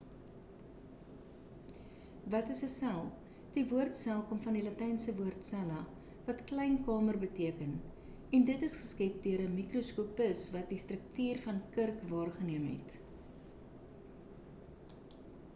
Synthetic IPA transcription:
vɐtəsəsælˠ | d̥ivuərtsælˠkomfɐndilɐtɛjnsəvuərtsælɐ | vɐtklɛjnkɑːmərbətiəkən | ɛndətəsχəskɛp̚døəɾəmikruskuːpəsvɐt̚distrək̚tyːrfɐnkərkvɑːrχəniəmɦɛ̰t

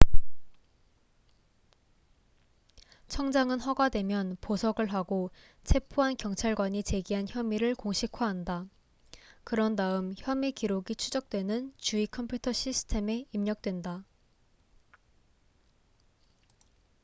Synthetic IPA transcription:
t͡ɕʰʌŋd͡ʑaŋɯnɸʌɡadwe̞mjʌnposʰʌɡɯɭɦaɡo | t͡ɕʰe̞pʰoɦankjʌŋt͡ɕʰaɭɡwaɲit͡ɕe̞ɡiɦançjʌmiɾɯɭkoŋɕʰikʰwaɦanda | kɯɾʌndaɯmçjʌmikiɾoɡit͡ɕʰud͡ʑʌk̚t͈we̞nɯnt͡ɕuikʰʌmpʰjutʰʌɕʰisʰɯ̥tʰe̞me̞imɲʌk̚t͈we̞nda

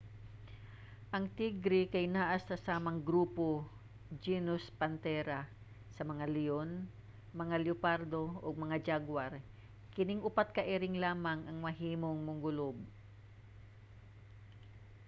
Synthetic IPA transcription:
ʔɐŋt̪iɡɾɪkɐjnaːʔɐst̪ɐsaːmɐŋɡɾuːpo | d͡ʒinʊspɐnt̪ɛːɾa | sɐmɐŋalɪjon | mɐŋaljʊpaɾd̪o̞ʔoɡ̚mɐŋad͡ʒaɡwaɾ | kɪnɪŋʔʊpat̪̚kɐʔɛɾɪŋlaːmɐŋʔɐŋmɐɦiːmo̞ŋmʊŋɡʊlob̚

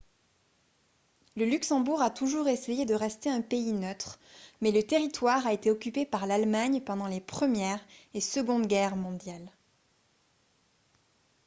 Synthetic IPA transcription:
ləlyksɑ̃buʁat̪uʒuʁesejed̪əʁɛst̪eɛ̃peinœt̪χmɛlət̪eʁit̪waʁaet̪eɔkʲypepaʁlalmaɲpɑ̃d̪ɑ̃lepχəmjɛʁesəɡɔ̃d̪ɡʲɛʁmɔ̃d̪jal

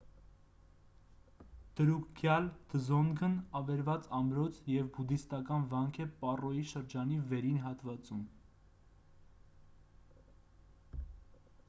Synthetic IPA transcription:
d̪̥əɾukkʰjɑld̪̥əzɔnɡənɑvɛɾvɑt͡sɑmɾɔt͡sʰjɛvbud̪ist̪ɑkɑnvɑŋkʰɛpɑrɔjiʃəɾd͡ʒɑnivɛɾinɦɑt̪vɑt͡sum

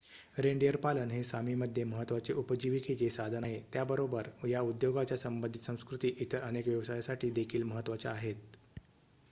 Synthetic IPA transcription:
ɾeɳɖijəɾpalənɦesamiːməd̪ʱjeməɦət̪ʋat͡seʔupəd͡ʑiʋikʰit͡sesad̪ʱənaɦet̪jabəɾobəɾjaud̪joɡat͡ɕjasəmbənd̪ʱit̪sə̃w̃skɾut̪iːʔit̪əɾənekʋjəʋsajasaʈʰiːd̪ekʰiːlməɦət̪ːʋat͡sa̰ːɦet̪̚

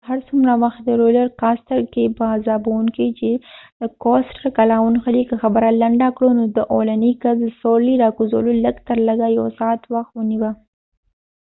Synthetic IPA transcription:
haɾsumɾawaxt̪d̪əɾolaɾkɑst̪aɾkepəzɑbawunkit͡ʃed̪əkosʈəkalɑwunxalikəxabəɾalaɳɖakɽonod̪əʔolanikazsoliɾɑkuzo̰loləɡt̪əɾləɡaja̰wsɑt̪waxt̪wəniwa

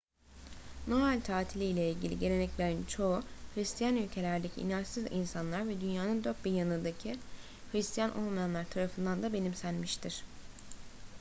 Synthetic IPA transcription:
no̞ɾalʲt̪ʰaːt̪ʰilʲijlʲɛilʲɟilʲḭɟe̞ɾe̞nɛcvæɾint͡ʃʰo̞uhɾist̪ʰijanylʲcʰe̞lʲæɾd̪e̞cʰḭːnaʃsizinsanlˠaɾvɛd̪ynjaːnɯnd̪ø̞ɾt̪̚biɾjanɯd̪acʰi | hɾist̪ʰijanʔo̞̰lˠmajanlˠaɾt̪ʰaɾafɯnd̪and̪abe̞nimsænmiʃt̪ʰiɾ̥

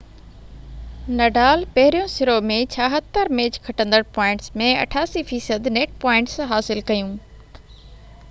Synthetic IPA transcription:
nɐɖaːlpɐɦɪɾijõsɪɾomẽt͡ɕʰaːɦət̪ːəɾmeːd͡ʑkʰɐʈə̃nd̪əɽpaːɪ̃ɳʈsmẽɐ̰ʈʰaːsifiːsəd̪neːʈ̚paːɪ̃ɳʈsɦaːsɪlkɐjũː

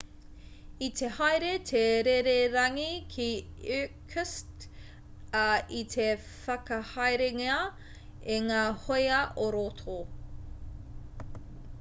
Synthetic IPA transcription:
it̪ʰehajɾet̪ʰeɾeɾeɾɐŋikʰiʉkʰəst | it̪ʰe | fɐkɐhɐjɾeŋeɐ | eŋaːhojɐʔoɾot̪ʰo

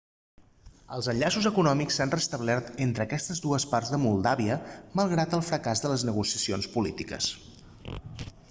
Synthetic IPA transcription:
ə̰lˠzənʎasuzəkunɔmiksanrəst̪əβlɛrt̪ent̪ɾəːkɛst̪əzd̪uəspaɾzðəmulˠd̪aβiəməlˠɣɾat̪əlˠfɾəkazðələznəɣusiəsionspulit̪ikə̰s

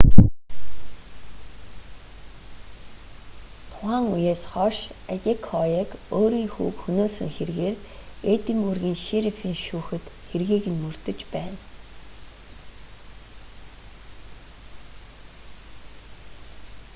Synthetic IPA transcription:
t̪ʰʊ̥χʁaːŋujeːsχɔʃæt̪ʲikʰɔjekoːɾiːŋxṵːkxɵnoːsɘ̆ŋxerɣeːret̪ĭmurɣiːŋʃeɾefiːŋʃuːxɘ̆t̪xerɣiːɣɘ̆nmɵr̥t̪ɵ̆t͡ɕpæːn

